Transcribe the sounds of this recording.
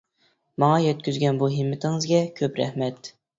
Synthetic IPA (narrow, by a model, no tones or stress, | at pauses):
mɑŋɑjɛt̪̚kʲyzɡʲɛnbuɦɪmːɪt̪ʰɪŋɨzɡʲɛkʲʰøpɾɛ̰hmɛt̪